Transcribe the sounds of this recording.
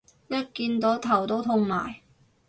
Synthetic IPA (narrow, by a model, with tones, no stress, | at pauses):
jɐ˥t̚kiː˧nt̪o˨˥t̪ʰɐ˨˩wt̪o˥wt̪ʰʊ˧ŋma̰ː˨˩j